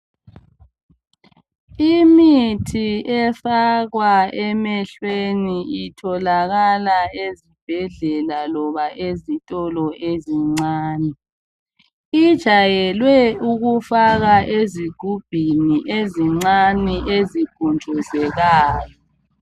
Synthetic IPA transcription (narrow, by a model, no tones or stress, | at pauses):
imitʰiɛfaɣwaɛmɛɬweniitʰɔlaɣalaezib̥ʱɛɮɛlalɔβaʔezitʼɔlɔʔeziŋ͡ǀaːnɛ | id̥ʒ̥ʱajɛlwɛuɣufaɣaʔeziɡ̥ʱub̥ʱiniʔeziŋ͡ǀaniʔeziɡ̥ʱunt͡ʃɔzɛɣaːjɔ